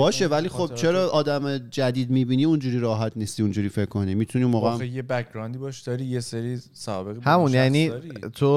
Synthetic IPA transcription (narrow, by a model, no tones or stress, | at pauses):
bɒːʃe̞vælixo̞b̥̚t͡ʃʰe̞ɾɒːʔɒːd̪æmed͡ʒæd̪iːd̪̚miːbiːniːund͡ʒuːɾiːɾɒːɦæt̪ʰniːst̪iːund͡ʒuːɾiːfe̞kʰkːo̞nimiːt̪ʰunimoːɣeæmejebækʰɡɾɒːnd̪ibɒːʃd̪ɒːɾiːjeseɾi | sɒbeɣihæmũnnjæniːit̪ʰo